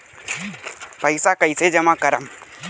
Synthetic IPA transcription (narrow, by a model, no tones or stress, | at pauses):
pɐɪsakɐised͡ʒɐmakɐɾəm